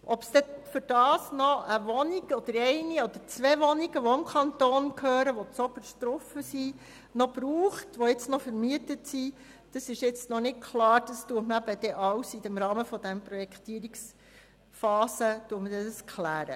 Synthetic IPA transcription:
ʔɔpsd̥̪ɛfʏɾd̥ɑːsnɔʔəʋɔniɡɔd̥̪əɾɛɪniɔd̪əɾt͡sʋɛʋɔniɡ̥əʋɔɪmkʰɑnt̪oːnkʰhøːɾəʋɔt͡sɔbəʃt̪ɾɔfəsi | nɔb̥ɾuːχtʋɔɪt͡snɔfəɾmiətətsi | d̥ɑsɪʃjɪt͡stnɔnɪt̚kʰlɑːɾd̥ɑstuətməæbəd̥̪ɛʔɑwsidɛmɾɑːməfɔd̥̪ænprɔjɛkt̪iːəɾiks | fɑːsətuətmədɛdəskʰlæːɾə̰

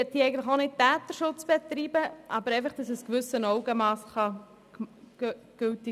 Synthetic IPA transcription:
ɛt̚d̪iːɛɪɡəntləχonɪt̚tæːt̪əʃʊt͡sb̥ɛt̪ɾiːbəʔɑbəɾɛɪfɑχd̥ɑsəskʋʏsənɔʊɡəmɑːsχɑ̥ | ɡ̥ølti

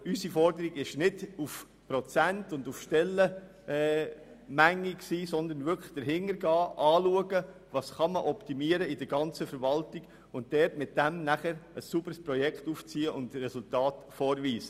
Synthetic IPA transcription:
ysifɔɾdəɾiɡɪʃnɪduf | pɾɔt͡sæntʊndufʃtɛlːə | mæŋːiksiːsɔnd̪ənvʏɾkʰlə̥d̥əɾɦɪŋəɾɡɑːʔɑːluəɡə | vɑːsχɑməʔɔpt̪imiəɾəɪdəɾɡɑnt͡səfəɾvɑltiɡ̥ | ʊntd̥ɛɾtmɪt̚d̥æmnæχəɾəsːubəɾspɾɔjɛkχtuːft͡siːəʔʊndɾɛsʊltɑːtfɔːɾvʋiːsə̥

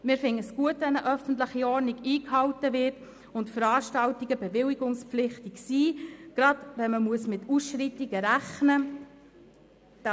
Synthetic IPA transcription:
mɪːɾfɪŋəsɡ̥uətʋɛnəʔœfən̩tlɪχiɔɾniɡiːkhɑltəvɪt | ʊntfəɾɑːɾʃtɑltiɡəbɛvɪliɡʊŋspp͡flɪχtiksiːɡ̥ɾɑdvɛnməmuəsmɪtusʃɾitːiɡəɾæχnə

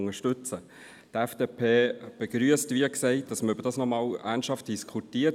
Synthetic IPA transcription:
ŋəʃtʉt͡sə | tɛfd̥eːpʰeːb̥eɡɾyəstʋiɛksɛɪt̚d̥ɑsməɾʏbəɾdɑːsnɔmɑːlæːnʃhɑft̚d̥iskʰχutiːə

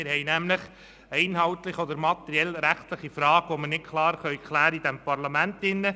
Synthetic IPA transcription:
ɪɾhɛɪnæmləχ | ɛɪnɦɑwt̪lɪχɔd̪əɾmɑt̪ɛɾiɛlɾæχt̪lɪχifɾɑːɡ̥ʋomənɪt̚kʰlɑːɾχœʏkʰlæːɾəid̥̪ɛmpɑɾlɑmæntɪnːə

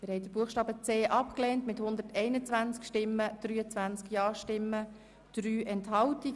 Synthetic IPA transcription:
mɪɾhɛɪjdəb̥uəxʃtɑːbət͡seːʔɑpkleːntmɪthʊnd̪ətʰɛɪnət͡sʋænt͡skʃtɪmːəd̪̥ɾyːət͡sʋænt͡skjɑːʃtɪmːə | d̪̥ɾyːʔɛnthɑlti

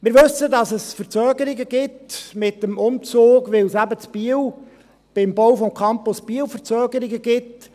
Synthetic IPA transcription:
mɪːɾʋɵsədɑsəsfəɾt͡søːɡəɾɪɡəɡɪtmɪt̪əmʊmt͡soːɡʋɪwsæbət͡sb̥iəw | b̥ɪmbɔwfɔmkʰɑmpʊsb̥iəwfəɾt͡søːɡəɾɪɡəɡɪt

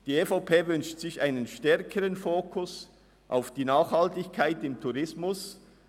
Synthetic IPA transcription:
d̥iːeːfaʊpʰeːvʏnʃtsɪçaɪnənʃtɛʁkʰəʁənfoːkʰʊs | ʔa̰ʊfd̥iːnaːχhɑltɪçkʰaɪtɪmtʰuʁɪsmʊs

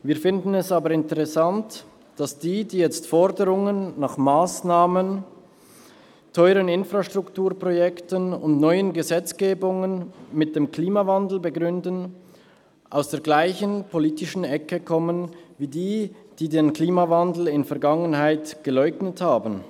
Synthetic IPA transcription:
viːɐfɪndn̩ɛsaːbəɐɪntəʁɛsant | d̥asd̥iːdiːjɛt͡stfɔʁdəʁʊŋənːaːχmaːsnaːmən | tʰɔʏʁənɪnfʁaʃtʁ̥ʊktuːɐpʁ̥ojɛktənʊntnɔʏənɡəzɛt͡sɡ̥eːbʊŋənmɪt̚d̥eːmkl̥iːmavandl̩bəɡʁʏndən̩ | ʔaʊsd̥eːɐɡlaɪçənpʰoliːtɪʃn̩ɛkəkʰɔmənviːdiːd̥iːdeːnkliːmavandl̩ɪnfɛɐɡaŋənhaɪtɡ̥əlɔʏɡnəthaːbn̩

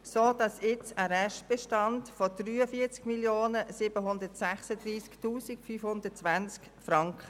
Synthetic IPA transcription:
soːd̥ɑsɪt͡səɾɛʃtb̥ɛʃtɑntfodryːəfiːət͡skmiljoːnəsɪbəɦʊndətsæχsədɾiːsktuːsikfyːfhʊndətt͡sʋant͡sk | fɾɑŋkχə

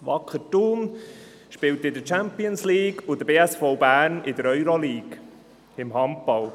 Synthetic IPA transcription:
ʋɑkʰːətuːm | ʃpɪwt̪ɪd̪ət͡ʃæmpiənsliːɡʊd̪əbeːɛsfɔwbæːɾnɪdəɾœʏɾɔliːɡ | ɪmɦɑmpɑl

